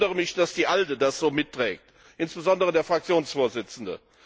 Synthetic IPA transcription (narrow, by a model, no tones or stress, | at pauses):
dəʁəmɪçd̥asd̥iːʔaldədasz̥oːmɪtːʁ̥ɛːk̚t | ʔɪnsb̥əzɔndəʁədeːɐfʁ̥ak̚t͡sjoːnsfoːɐzɪt͡sn̩də̰